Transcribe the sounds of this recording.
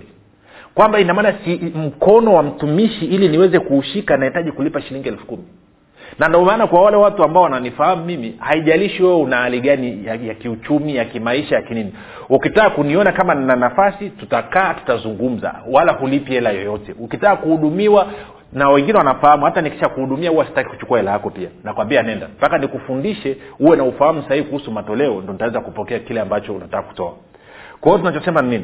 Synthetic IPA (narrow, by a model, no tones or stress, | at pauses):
kwambainamaːnasim̩kɔnɔwam̩tumiʃiiliniwɛzɛkuːʃikanahitaʄikulipaʃiliŋɡiɛlfu̥kumi | nandɔmaːnakwawalɛwatuambaɔwananifahamumimihaiʄaliʃiwɛwɛunahaliɠanijajakiut͡ʃumijakimaiʃajakinini | ukitaːkuniɔnakamananafasitutakaːtu̥tazuŋɡum̩za̰walahulipiɛlajɔjɔtɛukitaːkuhuɗumiwa | nawɛŋɡinɛwanafahamuhataniki̥ʃakuhuɗumiahuwaasi̥taki̥ku̥t͡ʃu̥kuahɛlajakɔpianakuwambianɛnda̰mpakanikufundiʃɛuwɛnaufahamusahivikuhusumatɔlɛɔndɔnitawɛzakupɔkɛakilɛambat͡ʃɔunatakːaku̥tɔa̰ | kɔɔtunat͡ʃɔsɛmannini